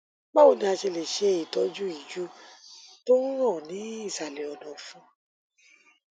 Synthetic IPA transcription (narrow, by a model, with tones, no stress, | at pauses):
ba˦o˨˧nĩ˧˦a˧ʃe˧le˨ʃe˧i˨tɔ˨˧˦d͡ʒu˦i˦˨d͡ʒu˦to˦ɾ̃ɔ̃˦˨nĩ˨˦i˦˨sa˨le˨ɔ˨dɔ̃˨fũ˦